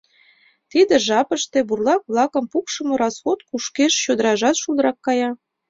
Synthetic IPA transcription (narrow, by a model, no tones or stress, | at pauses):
t̪id̪ĕʒɑpəʃt̪eburlɑk̚βlɑkə̆mpukʃə̆mŏɾɑsxot̪̚kuʃkeʃɕod̪əɾɑʒɑt̪ʃuld̪əɾɑkːɑjɑ